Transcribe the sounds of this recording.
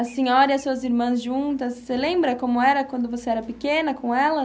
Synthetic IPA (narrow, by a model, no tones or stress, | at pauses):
ɐsĩɲɔɾɐiɐsuɐziɾmɐ̃zʒũt̪ɐsːelẽmbɾɐkõmʊɛɾɐkkwɐ̃nd̪ʊvoseɛɾɐpikẽnɐkõɛlɐ